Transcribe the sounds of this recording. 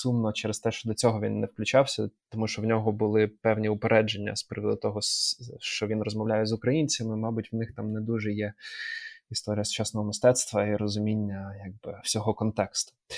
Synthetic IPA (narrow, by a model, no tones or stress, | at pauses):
sumnɔt͡ʃɛɾest̪ɛʃt͡ʃɔd̪ɔt͡sʲɔɦɔʋʲinːɛwklʲʊt͡ʃawsʲɐt̪ɔmuʃt͡ʃɔwnʲɔɦɔbʊlˠɪpɛwnʲiʊpeɾʔɛd͡ʒenʲːɐ̰spɾɪʋɔd̪ʊt̪ɔɦɔʃt͡ʃɔʋʲinrɔzmɐwlʲajɛzʊkɾɐjinʲt͡sʲɐmɪmɑbʊtʲwnɪxt̪ɑmnɛd̪uʒɛjɛ | ist̪ɔɾʲijɐsʊ̥t͡ʃasnɔɦɔmɪst̪ɛt̪st̪ʋɐiɾɔzʊmʲinʲːɐjaɡ̚bɪw̥sʲɔɦɔkɔnt̪ɛkst̪ʊ̥